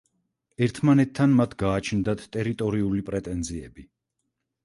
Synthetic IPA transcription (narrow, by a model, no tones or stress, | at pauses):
ɛɾt̪ʰmanɛt̪ʰːanmat̪ʰɡaːt͡ʃʰnd̪at̪ʰt̪ʼɛɾit̪ʼɔɾiulipʼɾɛt̪ʼɛnziɛbi